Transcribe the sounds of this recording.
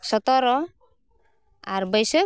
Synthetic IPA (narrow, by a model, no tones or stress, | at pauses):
sɔt̪ɔɾɔ | aɾbəjsə